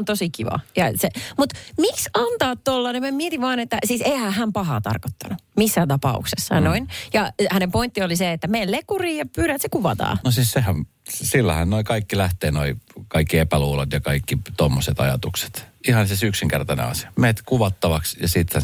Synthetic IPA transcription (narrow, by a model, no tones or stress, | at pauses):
nt̪osikiʋɑ̰jɑsemut̪miksɑnt̪ɑːt̪t̪olːɑːnemæmiet̪iʋʋɑːnet̪ːæsiːseihæːhæmpɑɦɑ̰ːt̪ɑ̰rko̥t̪ːɑnumisːæːt̪ɑpɑ̰ṵksesːɑ̰noinjɑhænempoint̪ːioliseet̪ːæmeːllekːuriːjɑpyːɾæt̪sekuʋɑt̪ɑ̰ːnosiːssehæm | silːæ̰hænnoikɑikːilæht̪eːnoikɑikːiepæluːlot̪jɑkɑikːit̪omːoset̪ɑ̰jɑ̰t̪ukse̥t̪ihɑnsisyksiŋkert̪ɑnḛɑ̰siɑ̥meːt̪kuʋɑt̪ːɑʋɑksjɑsit̪hæ